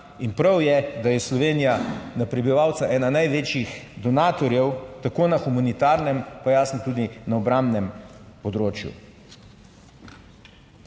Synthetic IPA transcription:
inpɾawjɛd̪ajɛslɔʋeːnijanapɾɛbiʋaːwt̪saʔɛːnanajʋeːt͡ʃixd̪ɔnaːt̪ɔɾjɛwt̪akoːnaxumanit̪aɾnɛmpajaːsnɔt̪uːd̪inaɔbɾambnɛmpɔd̪ɾoːt͡ʃjṵ

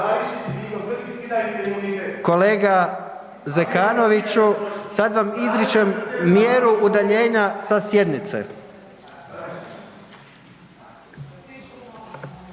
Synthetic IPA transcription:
ko̞le̞ːɡa | zekaːno̞ʋit͡ʃusad̪ʋamizɾit͡ʃemːjeɾuud̪aʎe̞ːɲasasje̞d̪nit̪sḛ

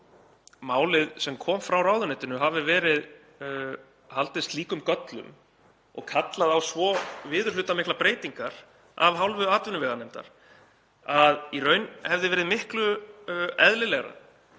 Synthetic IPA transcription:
maːwlɪðsɛmkʰɔːmfɾawraːwðʏnɛːt̪ɪnʏɦavɪvɛːɾɪð | halt̪ɪst̪liːkʏmkœt̪lʏ̰m | ɔ̰ɣkʰat̪laðawsvɔvɪːðʏɾ̥lʏːt̪amɪhklapɾeːjt̪iŋkaɾ̥ | a̰vɦawlvʏaːt̪vʏnʏvɛɣanejmt̪a̰ɾ̥ | aðiɾœːɥnhɛvðɪvɛːɾɪðmɪhklʏ | ɛðlɪlɛɣɾa̰ð

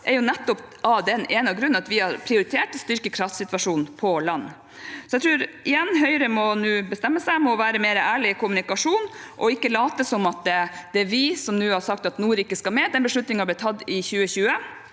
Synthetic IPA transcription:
ʔɛɾjʊnɛt̪ːɔpʔɑd̪ɛneːnɑɡɾʉnːɑt̪ʋɪhɑɾpʰɾɪʊɾɪt̪ʰeːʈst̪ʏɾkəkʰɾɑft̪sɪt̪ʋɑʂuːnpʰɔlɑnː | sɔɛɪt̪ʰɾʉːɾʔɪjɛnːɦœʏɾəmɔnʉːbəst̪ɛmːəsæɪmɔʋæːɾəmeːɾəʔæːɭɪɪkʰʊmʉnɪkɑʂuːnʔɔɪkːəlɑːt̪əsɔmɑt̪̚ɛd̪̥ɛʋɪsɔmnʉːhɑɾsɑkt̪ɑt̪nuːɾɪkːəskɑmeːd̪ɛnbəʂɭʉt̪nɪŋɑblɪt̪ʰːɑt̪ːɪçʉːəçʉːə

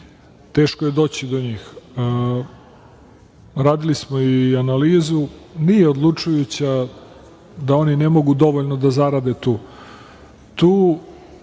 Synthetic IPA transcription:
t̪e̞ːʃkoje̞d̪o̞ːt͡ɕid̪oɲiːx | ɾaːd̪ilismo̞ianaliːzunijeod̪lˠut͡ʂujut͡ɕa | d̪ao̞nine̞mo̞ɡud̪o̞ʋoʎnod̪azaɾad̪e̞t̪uː | t̪uː

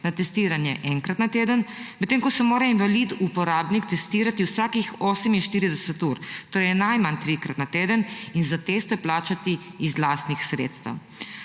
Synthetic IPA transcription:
nat̪ɛst̪iːɾanjɛʔɛŋkɾat̪nat̪eːd̪ənmɛt̪ːeːŋkɔsɛmoːɾainʋalid̪upɔɾaːbnikt̪ɛst̪iːɾat̪iwsaːkixoːsəminʃt̪iːɾid̪ɛsɛt̪uɾt̪oːɾɛjnajmant̪ɾikɾat̪nat̪eːd̪əninzat̪eːst̪ɛplaːt͡ʃat̪iːzlaːst̪nixsɾḛːt̪st̪ə̰w

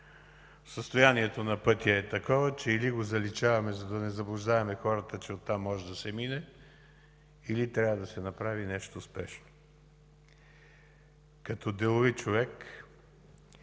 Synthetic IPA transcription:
səst̪ojaniɛt̪onɐpɤt̪ʲiɐɛt̪ɐkɔvɐt͡ʃɛiliɡozɐlit͡ʃavɐmɛzɐd̪ɐnɛzɐblˠʊʒd̪avɐmɛxɔɾət̪ət͡ʃɛot̪ːamːɔʒɛd̪ɐsɛminɛ | ilit̪ɾavəd̪ɐsɛnɐpɾavinɛʃt̪ospɛʃno | kɐt̪ɔd̪ɛlˠovit͡ʃovɛk

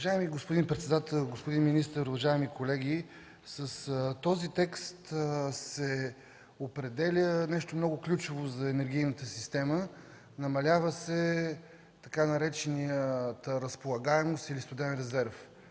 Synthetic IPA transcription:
vɐʒaɛmiɡospʊd̪inpɾɛt̪sɛd̪at̪ɛlˠɡospʊd̪inminist̪əɾʊvɐʒaɛmikolɛɡ̟ʲi | səst̪ɔzit̪ɛkst̪sɛ | opɾɛd̪ɛlʲənɛʃt̪omnɔɡʊklʲut͡ʃovozɐɛnɛɾɡ̟ʲijnət̪əsist̪ɛmə | nɐmɐlʲavəsɛ | t̪ɐkanɐɾɛt͡ʃɛnijət̪əɾəspolˠɐɡaɛmost̪ilist̪od̪ɛɛnɾɛzɛɾf

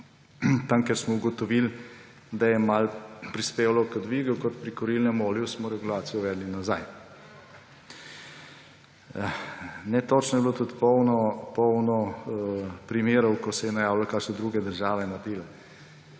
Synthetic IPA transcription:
t̪amkɛɾsmɔuɡɔt̪ɔʋil | d̪ajɛmalpɾispeːʋalɔkəd̪ʋiːɡukɔt̪pɾikɔɾilnɛmoːljusmɔɾɛɡulaːt̪sijɔʋɛːd̪linazaj | nɛt̪ot͡ʃnɔjɛblot̪ut̪pɔwnɔpɔwnɔ | pɾimeːɾɔwkɔsɛjɛnajaːwlakaʃnɛd̪ɾuːɡɛd̪əɾʒaːʋɛnad̪elɛ

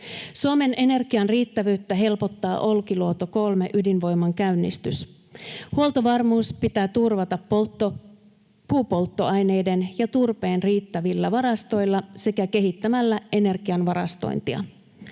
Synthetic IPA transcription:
suome̞nʔe̞ne̞rɡiɑnriːt̪ːæʋyːt̪ːæɦe̞lpo̞t̪ːɑːʔo̞lkiluot̪o̞ko̞lme̞̰ʔydinʋo̞jmːɑŋkæynːist̪ys | huo̞lt̪oʋɑrmuːspit̪æːt̪urʋɑt̪ɑpːo | puːpo̞lt̪ːo̞ɑjne̞jde̞njɑt̪urpe̞ːnriːt̪ːæʋilːæʋɑɾɑst̪o̞jlːɑse̞kæke̞ɦit̪ːæmælːæe̞ne̞rɡiɑnʋɑɾɑ̰st̪o̞̰jnt̪iɑ̰

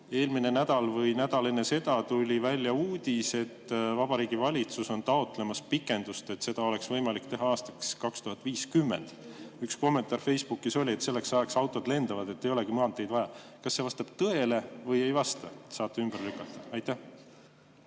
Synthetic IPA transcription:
e̞ːlmine̞næd̪ɑlvɤjnæd̪̥ɑlenese̞d̪ɑt̪ulʲivælʲːjɑuːd̪̥ʲise̞t̪ːvɑb̥ɑɾiːɡ̥ivɑlʲit̪suso̞nt̪ɑo̞t̪ˑle̞mɑspikːˑe̞nd̪̥ust̪e̞t̪ːse̞d̪ɑo̞le̞ksvɤjmɑlikt̪e̞ɦɑɑːst̪ɑkskɑkst̪uɦɑt̪ːˑviːskymːḛnd̪̥yksko̞mːe̞nt̪ˑɑrfe̞jsb̥ukːˑiso̞lʲie̞t̪se̞lːe̞ksɑeksɑwt̪ːˑo̞d̪le̞nd̪ɑvɑd̪e̞t̪ːe̞jo̞le̞ɡimɤɦɑnt̪ːˑejd̪vɑjɑkɑsːe̞vɑst̪ɑb̥t̪ɤe̞le̞vɤje̞jvɑst̪ɑsɑːt̪ːeymb̥ərlykːˑɑt̪ˑːɑ̥ɑjt̪ːæh

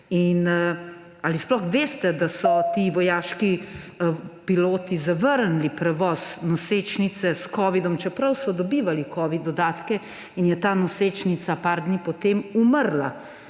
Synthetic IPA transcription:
in | alisplɔxʋeːst̪ɛd̪asɔt̪iːʋɔjaːʃki | piloːt̪izaʋəɾnlipɾɛʋɔːznɔset͡ʃnit̪sɛskɔːʋid̪ɔmt͡ʃɛpɾɐwsɔd̪ɔbiːʋalikɔːʋid̪ɔd̪aːt̪kɛ | injɛt̪aːnɔseːt͡ʃnit̪sapaːɾd̪nipɔt̪emuməɾla̰

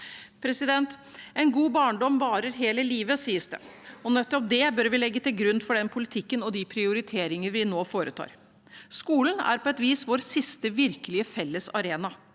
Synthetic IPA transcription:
pʰɾɛsɪd̪ɛnt̪ɛnɡuːbɑːɳɖɔmʋɑːɾəɾɦeːləliːʋəsiːəsd̪ə̰ɔnɛt̪ːɔp̚d̪ɛbœɾʋɪlɛɡːət̪ʰɪlɡɾʉnfɔɖɛnpʰʊlɪt̪ʰɪkːənɔd̪ɪpʰɾɪʊɾɪt̪ʰeːɾɪŋəʋɪnoːfoːɾʔət̪ʰɑ̰ːɾ | skuːln̩æ̰ɾpʰɔɛt̪ʋiːsʋoːɾsɪst̪əʋɪɾkəlɪəfɛlːəsɑ̰ɾeːnɑ

